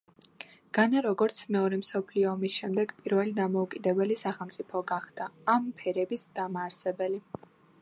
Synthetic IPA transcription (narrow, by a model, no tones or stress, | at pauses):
ɡ̥anaɾɔɡɔɾt̪sʰmɛɔɾɛmsɔpʰliɔːmisʃɛmd̪ɛɡpʼiɾvɛlid̪amɔukʼid̪ɛbɛlisaχɛlˠmt̪sʼipʰɔɡaχd̪̥aːmpʰɛɾɛbisd̪̥amaːɾsɛbɛli